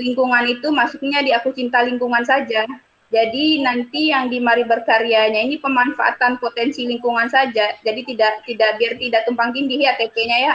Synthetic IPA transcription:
liŋkuŋanit̪umasuk̚ɲadiakut͡ʃint̪aliŋkuŋansad͡ʒa | d͡ʒadinant̪ijaŋdimaɾibərkaɾiaɲainipəmanfaʔa̰t̪anpot̪ɛnsiliŋkuŋansad͡ʒad͡ʒadit̪idaʔt̪idaʔbiart̪idaʔt̪umpaŋt̪indihjat̪epeɲaja

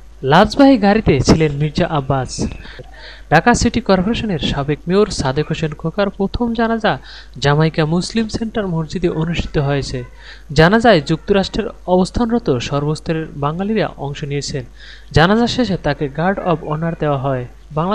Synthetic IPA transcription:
labd͡ʑbaɦiɡaɾit̪et͡ɕʰilenmiɾd͡ʑaʔabːasɾ | ɖ̥akasiʈikɔɾpoɾeʃoneɾʃabekmewɾsad̪ʱekʰoʃenkʰokaɾpɾot̪ʰomd͡ʑanad͡ʑa | d͡ʑamaijkamuslimseɳʈaɾmoɾd͡ʑid̪eʔonuʃʈʰi̥t̪oɦoet͡ɕʰe | d͡ʑanad͡ʑaed͡ʑuk̚t̪oɾaʃʈɾeɾɔbost̪ʰanɾɔt̪oʃɔɾbost̪ʰɾeɾbaŋɡaliɾa̰ʔɔ̰ŋʃoniet͡ɕʰen | d͡ʑanad͡ʑaʃeʃet̪akeɡaɾɖɔbɔnaɾd̪eoaɦɔe | baŋla

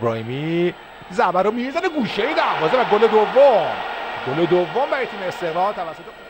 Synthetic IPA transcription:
bɾɒːhimi | zæbæɾomimizæneɡuːʃejid̪æɾbɒːzevæɡoled̪ovːoɡoled̪ovːombæɾɔjet̪ʰiːmeest̪eɾɒːt̪ʰævæsːo̞t̪ʰe

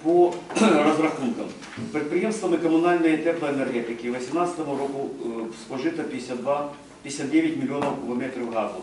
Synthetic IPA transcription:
porɐzɾɐxunkəm | pɾʲɪt̪pɾʲɪje̞mst̪vəmɨkəmʊnalʲnəjət̪ɛɾt̪əɛnɛrɣʲet̪ʲɪkʲɪvəsʲɪmnat̪sə̥t̪əmʊɾokʊskˠɐʐɨt̪əpʲɪɪsʲat̪d̪va | pʲɪdʲɪsʲat̪̚dʲevʲɪtʲmʲɪlʲɪo̞nəfkʊvɐmʲet̪ɾʲɪvɣazʊ

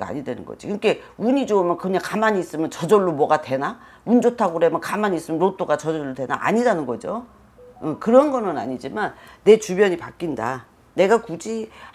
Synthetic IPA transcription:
a̰ɲidwenɯ̰nɡʌ̰d͡ʑikɯke̞uɲid͡ʑoɯmjʌnkɯɲaŋkamaɲiːs͈ɯmjʌnt͡ɕʌd͡ʑʌɭːomwʌɡatwe̞na | und͡ʑotʰaɡoɾemʌnkamaɲiːs͈ɯmjʌnɾot͈oɡat͡ɕʌd͡ʑʌʌɭːodwe̞na̰ʔa̰ɲidanɯnɡʌd͡ʑo | ɯkɯɾʌnɡʌnɯna̰ɲid͡ʑimanːe̞t͡ɕubjʌɲipak͈inda | ne̞ɡakud͡ʑi

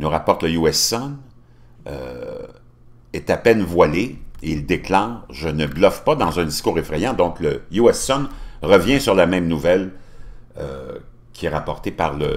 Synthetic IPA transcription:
nuʁapɔʁt̪ləjuɛsɔn | ə̰ | ɛt̪apɛnvwaleild̪eklɑ̃ːʒənəɡlɔfpad̪ɑ̃zɛ̃d̪iskuːʁefʁɛjɑ̃d̪ɔ̃kləjuɛsɔnʁəvjɛ̃syʁlamɛ̃mnuvɛl̰ | kʲiɛʁapɔʁt̪epaʁlə

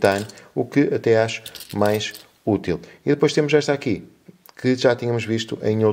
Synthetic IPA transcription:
t̪anukɨɐt̪ɛaʃu̥majʃ | ut̪ilˠiðɨpojʃt̪emuʒɛʃt̪aki | kʰɨʒat̪iɲɐmuʒviʃt̪uʔɐ̰̃j̃o

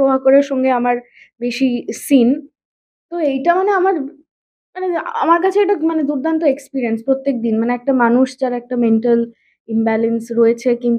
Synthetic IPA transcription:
obʱakoɾeɾʃɔŋɡeamaɾ | beʃisin | t̪oejʈamaneamaɾ | manea̰maɾkat͡ɕʰeɛk̚ʈamaned̪uɾd̪ʱant̪oekspiɾienspɾot̪ːek̚d̪inmaneɛk̚ʈamanuʃd͡ʑaɾɛk̚ʈameɳʈal | imbɛlensɾoet͡ɕʰekin

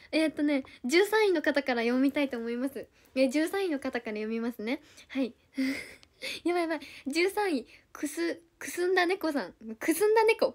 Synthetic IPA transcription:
et̪ːo̞ne̞ʑɨːsãɰ̃ino̞kat̪akaɾajõ̞mʲit̪ait̪o̞ːmo̞imasɨ | eʑɨːsãɰ̃ĩno̞kat̪akaɾajo̞mʲimasɨne̞ | hai | ɯ̃ | jaβaβad͡ʑɨːsãɰ̃ĩkʰɯ̟sɨ | kɯ̟̥sɨ̃nd̪ane̞ko̞sãŋkɯ̟sɨ̃nd̪ane̞ko̞

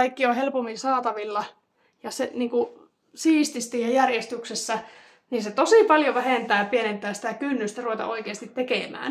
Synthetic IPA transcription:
ɑikːiohelpomːisɑːt̪ɑʋilːɑ | jɑseniːŋku | siːst̪ist̪iːhejærjest̪yksesːæ | niːset̪osiˑpɑljoʋæhent̪æːpienent̪ˑæːsi̥t̪ækynːyst̪æruʋet̪ɑ̰ʔoikeːst̪it̪tekemæ̰ːn

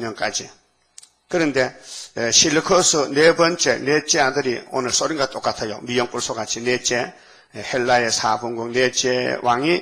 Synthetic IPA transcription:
ɲɯŋkʼa̰d͡ʒi | kɯɾɯŋdesilɯkʰɯsɯnebənt͡ʃenet͡ʃeadɯɾiɔ̰nɯsɔɾiŋɡatʰʼɔkat̪ʰajɔkmbijɔŋpʼuɾsɔɡat͡ʃinet͡ʃe | helːajesabɯŋɡɔŋnet͡ʃewaŋi

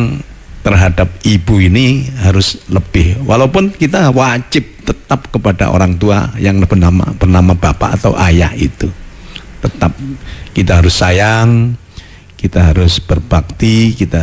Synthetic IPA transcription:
ŋ | t̪ərɦadap̚ibuiniɦaɾʊsləb̥ɪhwalaupʊnkit̪awad͡ʒɪp̚t̪ət̪ap̚kəpada̰ʔo̰ɾaŋt̪ua̰jaŋləbənama̰b̥ərnamab̥apa̰ʔat̪awʔajahḭt̪ut̪ət̪ap̚kit̪aɦaɾʊsːajaŋ | kit̪aɦaɾʊsb̥ərb̥ak̚t̪ikit̪a

